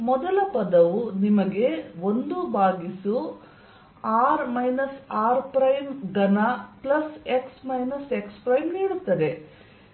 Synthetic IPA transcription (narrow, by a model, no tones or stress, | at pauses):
mɔd̪ɐlɐpɐd̪ɐʋunimɐɡe̞ond̪ubʱaːɡisu | aːɾmɐjnɐsaːɾpɾɐjmɡɐnaplɐse̞ksmɐjnɐse̞kspɾɐjmniːɽut̪ːɐd̪e̞